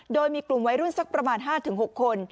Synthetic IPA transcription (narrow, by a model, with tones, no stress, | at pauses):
doː˧jmiː˧klu˨˩mwa˦˥jɾu˥˩nsa˦˥k̚pɾa˧maː˧nɦaː˥˩t̪ʰɯ˩˦ŋɦo˨˩kʰːo˧n